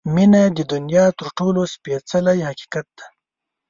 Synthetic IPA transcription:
minad̪əd̪ʊnjɑːt̪əɾʈolospet͡salajhaki̥kat̪̚d̪̥ḁ

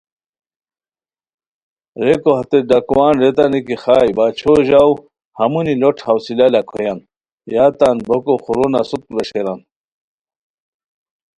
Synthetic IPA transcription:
ɾekohat̪eɖakuwaːnɾet̪anikixaːjbaːt͡ɕʰoʑaw | hɐmuniloʈʰhawsilalakʰɔjan | jaːt̪anbokoχuɾunasut̪̚lɐʂeɾan

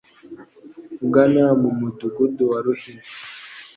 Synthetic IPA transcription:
uɡanamumutukuduwaɾuhin

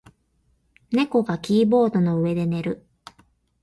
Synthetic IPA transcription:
ne̞ko̞ɡakʲiːbo̞ːd̪o̞no̞ɯ̟e̞d̪e̞ne̞ɾɯ̟

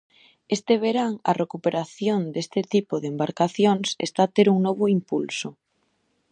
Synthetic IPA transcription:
est̪eβeɾaŋɐ̰rekupeɾaθjond̪est̪ɪt̪ipoðembaɾkaθjoŋsḛst̪aːt̪eɾuŋnɔβʊimpulsʊ

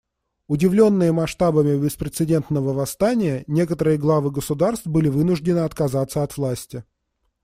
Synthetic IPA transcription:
ʊdʲɪvlʲo̞nːɨjəmɐʂt̪abəmʲɪbʲɪspɾʲɪt̪sɨdʲe̞nt̪nəvəvɐst̪anʲɪjənʲe̞kət̪əɾɨjəɡlˠavɨɡəsʊd̪arst̪vbɨlʲɪvɨnʊʐdʲɪnɨɐt̪kɐzat̪sːəɐt̪vlˠasʲtʲɪ

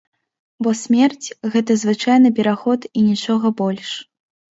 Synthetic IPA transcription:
bɔsʲmʲɛrt͡sʲɣɛt̪ɐzvɨt͡ʂajnɨpʲɛɾaxɔt̪inʲit͡ʂɔɣɐbɔlʲʂ

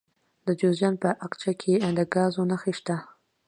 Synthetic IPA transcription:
d̪əd͡ʒozjɑnpəʔaqt͡ʃakʰed̪əɡɑzonaxeʃt̪a

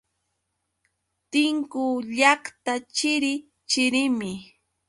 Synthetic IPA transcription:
t̪ɪŋkʊʎakt̪at͡ʃɪɾɪ | t͡ʃɪɾɪmɪ

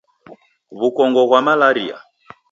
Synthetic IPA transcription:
βukɔŋɡɔɣwamalaɾḭa̰

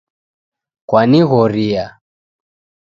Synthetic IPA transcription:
kwaniɣɔɾia

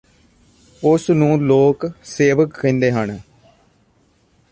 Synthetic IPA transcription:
ʊsnũːloːkseːʋəkkẽːnd̪eːɦəɳ

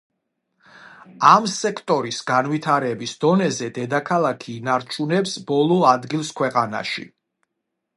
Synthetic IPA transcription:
amsɛkʰt̪ʼɔɾisɡanvit̪ʰaɾɛbisd̪ɔnɛzɛd̪ɛd̪akʰalˠakʰiːnaɾt͡ʃʰunɛpsbɔlˠɔad̪ɡilˠskʰwɛqʼana̰ʃḭ

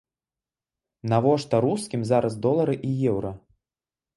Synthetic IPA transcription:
navɔʂt̪ɐɾuskʲimzaɾɐzd̪ɔlˠɐɾɨʔijɛwɾɐ

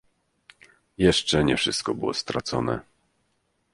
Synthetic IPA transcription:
jɛʂt͡ʂɛɲɛfʂɘst̪̚kɔbɘwɔst̪ɾat̪sɔnɛ̰

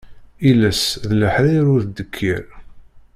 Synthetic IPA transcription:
ilæsðləħɾæjɾʊɾθd̪əkʰːiɾ

